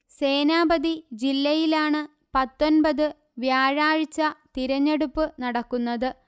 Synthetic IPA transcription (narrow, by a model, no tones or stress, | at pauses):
se̞ːnaːbɐðid͡ʑilːɐjilaːɳɨ | pɐt̪ːo̞nbɐðɨ | ʋjaːɻaːɻit͡ɕːɐt̪iɾɐɲːe̞ɽupːɨnɐɽɐkːunːɐðɨ